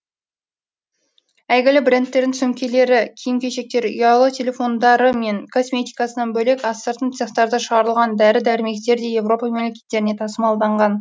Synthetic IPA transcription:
æjɡʲɪlɪbre̞nt̪ːe̞ɾd̪ɪnsɵmkʲe̞le̞ɾɪkʲʰijɪmkʲe̞ʃe̞k̚t̪e̞ɾy̰jɑlˠət̪ʲʰe̞lʲe̞fo̞nd̪ɑɾəme̞ŋkʰo̞smʲe̞t̪ʲijkɑsənɑnbɵle̞kɑsːəɾt̪ənt̪seχt̪ɑɾd̪əʃəʁɑɾəlˠʁɑnd̪æɾɪd̪æɾɪme̞kt̪e̞ɾd̪e̞je̞vro̞pɑmemle̞kʲet̪ːe̞ɾɪne̞t̪ʰɑsəmɑlˠd̪ɑɴʁɑn

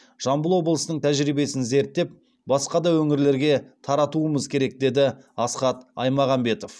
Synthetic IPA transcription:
ʒ̥ɑmbəlˠwo̞blˠəsənəɴt̪ʰæʒɾibe̞sɪnze̞ɾt̪ːe̞p̚ | bɑsqɑd̪ɑwɵŋɪɾle̞ɾɡʲe̞t̪ʰɑɾɑt̪uəməzkʲʰe̞ɾe̞k̚d̪e̞d̪ɪɑsqɑt̪ɑ̰jmɑʁɑmbe̞t̪o̞f

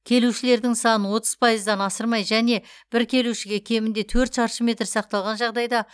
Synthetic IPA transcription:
kʲʰe̞luʃɪle̞ɾd̪ɪŋsɑnənwo̞t̪əz̥pʰɑjəzd̪ɑnɑsəɾmɑjʒæne̞b̥ɪɾkʲʰe̞luʃɪɡʲe̞kʲʰe̞mɪnd̪e̞t̪ʰɵɾt̪ʃɑɾʃəmʲe̞t̪ɾsɑq̚t̪ɑlˠʁɑnʒɑʁd̪ɑjd̪ɑ

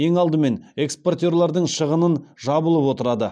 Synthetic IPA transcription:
je̞ŋɑlˠd̪əme̞ne̞kspo̞rt̪ʲe̞ɾlˠɑɾd̪əɴʃəʁənənʒɑbəlˠəpwo̞t̪əɾɑd̪ə

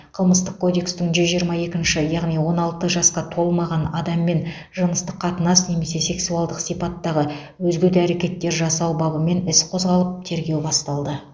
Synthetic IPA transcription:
qʰəlˠməst̪əq̚kʰo̞d̪e̞kst̪ɪŋʒʏzʒijəɾmɑje̞kʲɪnʃɪjɑʁnijwo̞nɑlˠt̪əʒɑsqɑt̪ʰo̞lˠmɑʁɑnɑd̪ɑmːe̞n | ʒənəst̪əqːʰɑt̪ənɑsne̞me̞se̞se̞ksuɑlˠd̪əqsijpɑt̪ːɑʁə | wɵzɡʲet̪ɪæɾe̞kʲe̞t̪ːe̞ɾʒɑsɑwbɑbəme̞nɪsqʰo̞zʁɑlˠəp̚t̪ʰe̞ɾɡʲe̞wbɑst̪ɑlˠd̪ə

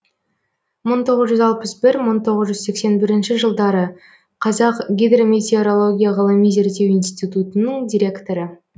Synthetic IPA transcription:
məɴt̪ʰo̞ʁəzʒʏzɑlˠpəsbɪɾməɴt̪ʰo̞ʁəzʒʏzse̞kse̞nbɪɾɪnʃɪʒəlˠd̪ɑɾə | qʰɑzɑqɡʲijd̪romet̪ʲeoɾo̞lˠo̞ɡʲijaʁɑlˠəmijze̞ɾt̪e̞winst̪it̪ut̪ənəɴd̪ʲijɾʲe̞kt̪o̞ɾə

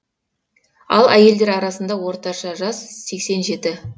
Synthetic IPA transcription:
ɑ̰lˠæje̞ld̪e̞ɾɑɾɑsənd̪ɑwo̞ɾt̪ɑʃɑʒɑsse̞kse̞nʒe̞t̪ɪ

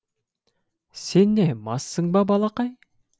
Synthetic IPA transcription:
senːemɑsːɤŋbɑbɑlˠɑqɑj

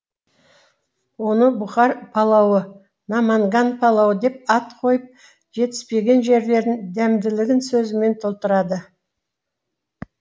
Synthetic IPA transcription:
wo̞nəbʊχɑɾpʰɑlˠɑwə | nɑmɑŋɡɑnpʰɑlˠɑwəd̪e̞p̚ɑt̪qʰo̞jəp̚ | ʒe̞t̪ɪ̥spe̞ɡʲe̞nʒe̞ɾle̞ɾd̪ɪnd̪æmd̪ɪlɪɡʲɪnsɵzɪme̞nt̪ʰolˠt̪əɾɑd̪ə

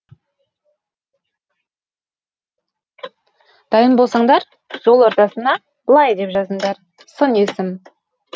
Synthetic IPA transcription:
d̪̥ɑjəmbo̞lˠsɑɴd̪ɑɾ | ʒ̥o̞lˠoɾt̪ɑsənɑ | bəlˠɑjd̪e̞pʒɑzəɴd̪ɑɾ | sənesɪm

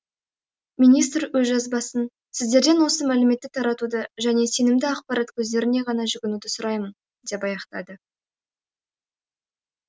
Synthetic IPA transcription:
mijnijst̪ɾwɵzʒɑzbɑsən | sɪzd̪e̞ɾd̪e̞nwo̞səmælɪme̞t̪ːɪt̪ʰɑɾɑt̪ud̪əʒæne̞se̞nɪmd̪ɪɑqpɑɾɑt̪kʲʰɵzd̪e̞ɾɪne̞ʁɑnɑʒʏɡʲɪnud̪ɪsʊɾɑjmən | d̪̥e̞pɑjɑqt̪ɑ̰d̪ə

